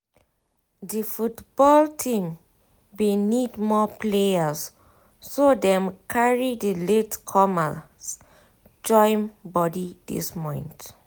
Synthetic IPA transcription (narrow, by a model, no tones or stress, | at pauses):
difutb̥ɔltʰĩm | wenidmɔpleas | sodɛ̃mkʰaɹidiletkʰɔma | s | d͡ʒɔ̃ɪ̃mbɔdidḭsmɔ̃ɪ̃nt